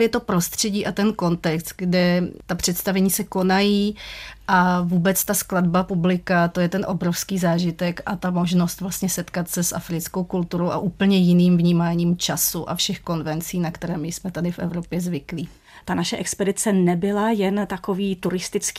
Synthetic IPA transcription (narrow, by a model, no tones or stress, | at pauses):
vjɛt̪o̞pɾo̞st̪r̝̥ɛɟiːʔat̪ɛnko̞nt̪ɛkst̪̚ɡdɛt̪apr̝̥ɛt̪st̪avɛɲiːsɛko̞najiːʔavuːbɛt͡st̪askladbapublɪkat̪o̞jɛt̪ɛnʔo̞bɾofskiːzaːʒɪt̪ɛkʔat̪amo̞ʒno̞st̪vlast̪ɲɛsɛt̪kat̪sɛsʔa̰fɾɪt͡skowkult̪uɾowʔa̰ʔuːpl̩ɲɛjɪniːmvɲiːmaːɲiːmt͡ʃasuʔa̰fʃɛxko̞nvɛnt͡siːnakt̪ɛɾɛːmɪsmɛt̪adɪfʔɛ̰vɾo̞pjɛzvɪkliː | t̪anaʃɛʔɛkspɛdɪt͡sɛnɛbɪlajɛnt̪akoviːt̪uɾɪst̪ɪt͡sk